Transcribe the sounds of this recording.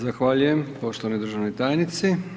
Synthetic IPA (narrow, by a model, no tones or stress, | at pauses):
zaxʋaʎuje̞mpo̞ʃt̪oʋanod̪ɾr̩ʒaʋnojt̪aːjnit̪si